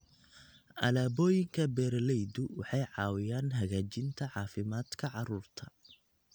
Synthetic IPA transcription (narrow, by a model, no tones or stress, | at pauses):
ʔɐ̰laːbɔːjɪŋkʰɐbɛːɾlɛjd̪ʊwɑħɑjʕɑːwɪjaːnɦɐɣaːt͡ʃɪnt̪ʰɐʕɑːfɪmaːd̪kʰɐʕɑruːrt̪ʰɐ̥